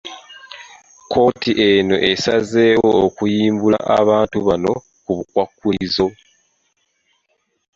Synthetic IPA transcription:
kʰo̞ːtiʔe̞no̞ʔe̞sazeːwookujiːmbula̰ʔa̰βaːntuβano̞̰ | kuβukwakːuizo̞

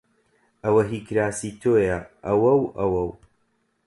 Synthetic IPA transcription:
ɐwɐɦikɾaːsiːt̪ʰoːjɐʔɐwɐwɐwɐw

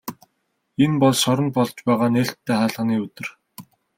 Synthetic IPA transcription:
enpɔɮʃɔɾɞ̆nt̪̚pɔɮt͡ɕpæːʁaːneːɬt̪ʰːeːχaːɮʁə̆ːniːɵt̪ɵ̆r

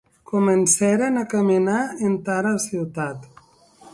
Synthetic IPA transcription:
kumensɛɾenakəminaent̪aɾəsiwt̪at̪

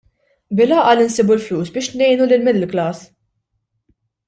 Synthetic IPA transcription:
bɪlɐːʔɐlɪnsiːbulfluːsbɪːʃnɛjnulɪlmɪd̪ɪlklɐːs

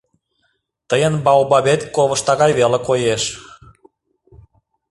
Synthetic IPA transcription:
t̪əjənbɑwbɑβet̪koβəʃt̪ɑɣɑjβelekojeʃ

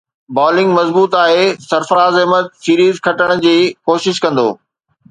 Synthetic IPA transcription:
bɔːlɪ̃ŋɡmɐzbuːt̪aːɦeːsɐɾfɾaːzɪɦmət̪̚siːɾiːzkʰɐʈəɽ̃d͡ʑiːkoːʃɪʃkɐ̃nd̪o̰ː

